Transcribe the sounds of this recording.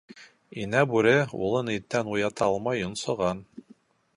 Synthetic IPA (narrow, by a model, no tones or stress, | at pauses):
inæbʉɾɘṵlˠɤnit̪ːænujɑt̪ɑɑlˠmɑjŏnsɤ̆ʁɑn